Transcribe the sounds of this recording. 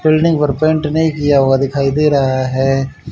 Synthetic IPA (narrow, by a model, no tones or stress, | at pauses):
bɪlnɪ̃ŋɡpɐɾpẽɳʈnɐɦĩkijaɦoːɡad̪ɪkʰaːid̪eːɾɐɦaɦɛː